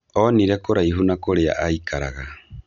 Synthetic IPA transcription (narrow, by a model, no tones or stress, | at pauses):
ɔniɾekoɾaiɦunakoɾea̰ʔaikʰaɾa̰ɣa